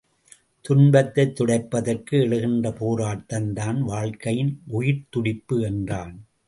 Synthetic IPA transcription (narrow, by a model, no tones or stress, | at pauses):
t̪ʊnbɐt̪ːɐɪt̪ːʊɽɐɪpːɐðɐrkɯɛɭɯɣɪndrɐpoːɾaːʈːɐnd̪aːnʋaːɻkɐjɪnʔʊjɪɾt̪ʊɽɪpːɯɛndraːn